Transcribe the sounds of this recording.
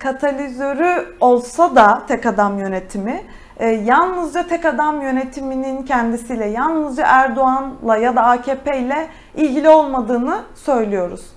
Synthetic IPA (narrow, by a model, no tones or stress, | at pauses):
kʰat̪ʰalʲizøɾyo̞lˠsad̪at̪ʰɛkad̪amjø̞ne̞t̪ʰimiː | jalˠnɯzd͡ʒat̪ʰɛkad̪amjø̞ne̞t̪ʰiminincʰɛnd̪isiːlʲɛjalˠnɯzd͡ʒa̰ʔæɾd̪o̞anlˠajad̪aaːcʰeːpʰejlʲɛ | ilʲɟilʲio̞lˠmad̪ɯːnɯsø̞jlʲijo̞ɾṵz̥